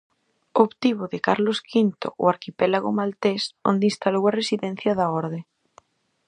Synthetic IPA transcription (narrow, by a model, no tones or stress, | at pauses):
opt̪iβoðekaɾloskʰint̪o̰ʔo̰aɾkipelaɣomalt̪eso̰nd̪ĩnst̪alowaresiðen̟θjaðaɔɾðe